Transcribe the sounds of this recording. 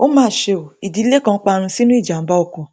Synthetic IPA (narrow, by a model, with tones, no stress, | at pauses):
o˦mãː˦˨ʃe˧o˨i˨di˨˦le˦kã˧˦k͡pa˧ɾ̃ũ˧si˦nũ˦i˦˨d͡ʒa˨m̩˦ba˦ɔ˦˧˨kɔ̃˨˧